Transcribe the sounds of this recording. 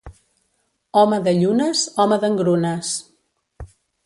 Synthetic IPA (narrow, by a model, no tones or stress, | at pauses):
ɔməðəʎunəzɔməðəŋɡɾunəs